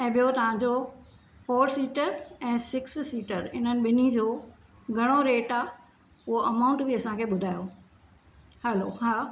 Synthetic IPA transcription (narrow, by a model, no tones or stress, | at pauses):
ɛ̃ːɓijot̪ɐʋ̤ãɲd͡ʑo | foːɾsiːʈəɾɛ̃ːsɪkssiːʈəɾɪn̤ənɪ̆ɓɪnid͡ʑoː | ɡʱɐɽ̃oɾeːʈa | ʊɦoʔɐmaːʊ̃ɳʈbiɐsãkʰeːɓʊd̪ʱaːjo | hɛloɦaː